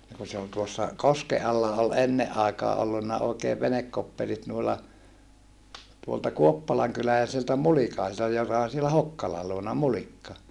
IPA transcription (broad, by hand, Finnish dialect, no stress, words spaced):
ni ku se ol tuosːɑ koske ɑlːɑ ol enːeʔ ʔɑekɑː ʔolːunːɑ oikeːʋ ʋenekːopːelit nuilːɑ tuoltɑ kuopːɑlɑŋkylælæisiltæ mulikɑisiltɑ jokɑ on̞ sielæ hokːɑlɑ luonɑ mulikːɑ